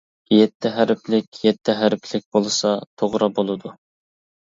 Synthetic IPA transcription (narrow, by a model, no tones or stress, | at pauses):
jɛt̪ʰːɪɦæɾplɪkʲjɛt̪ʰːɪɦæɾpʰlɪk̚ʲbolˠɨsɑt̪ʰoʁɾɑbolˠɨd̪u